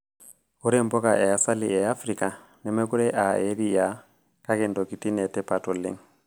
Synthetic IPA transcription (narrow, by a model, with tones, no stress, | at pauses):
o˦ɾɛmbɔ˦ka˨ʔɛ˨a˨sa˦li˨ɛ˨a˦fɾi˨ka˨ | nɛ˨mɛ˦ku˦ɾɛ˦ʔa˨e˦ɾija˨ | ka˦kɛ˨ndɔ˨ki˨ti˦nɛ˨tɛ˦patɔ˨lɛ̰˦ŋ